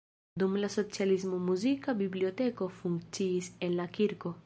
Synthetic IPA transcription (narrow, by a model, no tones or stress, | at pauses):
d̪umlasot͡sjalizmumuzikabiblijot̪ekofuŋt͡ʃisenlakiɾko